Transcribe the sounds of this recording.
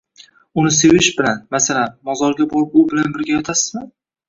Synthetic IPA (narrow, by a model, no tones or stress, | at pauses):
ʊnɪse̞vɪʃbɪlanmasalanmɒzɒɾɡʲabɒlɪpʊbɪlanbɪɾɡʲajɒt̪ʰasɪzmɪ